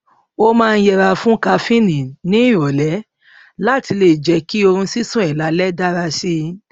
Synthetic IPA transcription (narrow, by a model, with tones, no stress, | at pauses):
o˦mãː˦˧jɛ˧ɾa˧fũ˦ka˧fĩ˦nĩ˨nĩ˦i˦˨ɾɔ˨lɛ˨˦ | la˦ti˧le˨d͡ʒɛ˧ki˦o˧ɾ̃ũ˧si˦sũ˦ɛ˨la˨˦lɛ˦da˦ɾa˧si˧